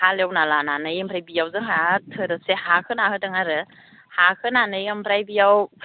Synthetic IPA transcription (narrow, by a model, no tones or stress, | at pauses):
haljewnalananɯjampʰɾajbijawzɯŋɦatʰɯɾɯsehakʰɯnahɯdɯŋaɾɯ | hakʰɯnanɯjampʰɾajbijaw